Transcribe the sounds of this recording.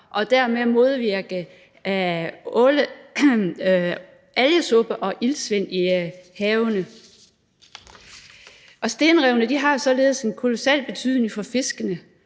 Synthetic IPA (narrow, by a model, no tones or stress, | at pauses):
ʔɒ̽d̥æɐ̰memo̝ð̞ˠʋiɐɡ̥ə | ɔlə | ʔæljəsob̥əʔɒ̽ʔilsʋe̝n̰ihɛːʊnə | ʔɒ̽sd̥e̝ːnʁɛʊnəd̥iɦɑ̈o̝sɒ̽le̝ːð̞̩ˠse̝nkʰo̝lo̝sɛ̰lb̥e̝t͡sʰy̰ð̰ˠne̝ŋfɒ̽fe̝sɡ̥ənə